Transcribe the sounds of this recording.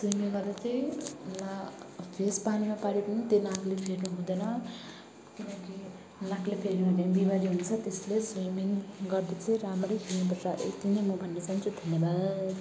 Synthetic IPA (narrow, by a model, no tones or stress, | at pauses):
swimiŋɡʌrd̪at͡sʌjnapʰespanimapaɽipʌnit̪enaklepʰeɾnuɦũd̪ʌnʌ | kinʌ̃ki | naklepʰeɾnuɦũd̪enbibaɾiɦunt͡sʰʌt̪esleswimiŋɡʌrd̪at͡sʌ̃ĩramrʌjpʰelnupʌt͡saʔḛkt̪inemʌbʱʌnːet͡sant͡sʰut̪ʰemed̪a